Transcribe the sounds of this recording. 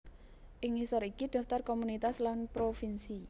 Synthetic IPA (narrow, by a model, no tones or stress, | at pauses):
ʔɪŋhisɔɾikid̪̥a̤ft̪ɔrkomunit̪aslanpɾofinsi